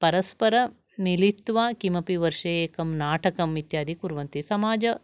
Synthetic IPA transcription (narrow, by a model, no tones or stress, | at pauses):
pɐɾɐspɐɾɐ | milit̪ʋaːkimɐpiʋɐɾʂɐːeːkɐmnaːʈɐkɐmit̪jaːd̪ʱikuɾʋɐnt̪isɐmaːd͡ʒɐ